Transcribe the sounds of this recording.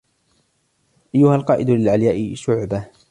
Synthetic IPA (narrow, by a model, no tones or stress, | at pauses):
ʔajːʊhalqɑːʔɪd̪lɪlʕaljaːʔɪʃʊʕba